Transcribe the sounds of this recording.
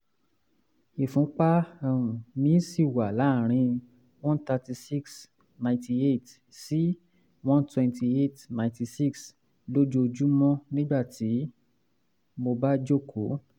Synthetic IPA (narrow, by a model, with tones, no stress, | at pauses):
e˨fũ˨˦k͡pa˦ɛ˧ũ˨nĩ˦si˦˨wa˨la˨˦˨ɾ̃ĩ˧ | w̃ɔ̃˦nt̪a˧ti˧si˦ks | nã˧ɪ̃nti˧e˦˨t | si˨˦ | wɔ̃˦ntwɛ̃˧nti˧e˦˨tnã˨ti˧si˦˨ks | lo˦d͡ʒo˦˧d͡ʒu˦mɔ̃˦nĩ˦ɡ͡ba˦˨ti˨˦ | mo˧ba˦d͡ʒo˦˨kʰo˨˦